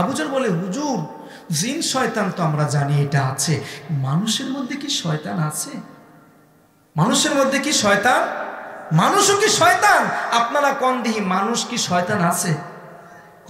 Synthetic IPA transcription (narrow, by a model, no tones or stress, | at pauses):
abud͡ʑoɾboleɦud͡ʑuɾ | d͡ʑinʃɔet̪ant̪oamɾad͡ʑanieʈaat͡ɕʰemanuʃeɾmod̪ʱːekiʃɔet̪anat͡ɕʰe | manuʃeɾmod̪ʱːekiʃɔet̪anmanuʃokiʃɔet̪anap̚naɾakɔnd̪iɦimanuʃkiʃɔet̪anat͡ɕʰe